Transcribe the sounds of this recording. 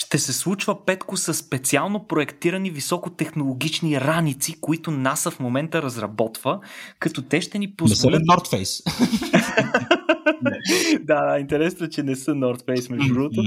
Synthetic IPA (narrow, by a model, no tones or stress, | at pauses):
ʃt̪ɛsɛslˠut͡ʃvəpɛt̪kʊsəsːpɛt̪sialˠnopɾoɛkt̪iɾənivisɔkot̪ɛxnolˠoɡ̟it͡ʃniɾanit̪sikoit̪ʊnasəfmomɛnt̪əɾɐzɾɐbɔt̪vəkɐt̪ɔt̪ɛʃt̪ɛnipozvolənɔɾt̪fɛjs | d̪aaint̪ɛɾɛsnot͡ʃɛnɛsənɔɾt̪fɛjsmɛʒɾut̪o